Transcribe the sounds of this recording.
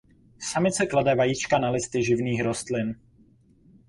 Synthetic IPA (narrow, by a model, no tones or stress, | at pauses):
samɪt͡sɛkladɛvajit͡ʃkanalɪst̪ɪʒɪvniːxɾo̞st̪lɪn